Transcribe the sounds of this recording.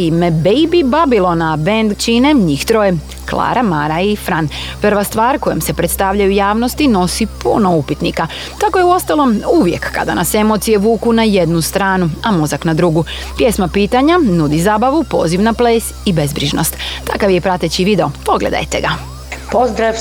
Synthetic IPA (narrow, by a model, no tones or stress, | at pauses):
imebejbibabilˠo̞nabend̪t͡ʃine̞ɲixt̪ɾo̞je | klˠa̰ːɾʔamaɾaifɾanpr̩ʋast̪ʋaːɾko̞jemse̞pɾet̪st̪aʋʎajujaːʋno̞st̪ino̞sipṵno̞upit̪nika | t̪ako̞jeuo̞st̪alˠo̞muʋjekːa̰d̪a̰nase̞mo̞t̪sije̞ʋuːkunajed̪nust̪ɾaːnuamo̞zaknad̪ɾuɡu | pje̞smapiːt̪aɲanud̪izaːbaʋupo̞̰ziʋnapleːsibe̞zbɾiʒno̞̰st̪t̪akaʋjepɾat̪et͡ɕiʋid̪eo̞po̞ɡled̪a̰jt̪ḛɡa | pozd̪ɾaʋ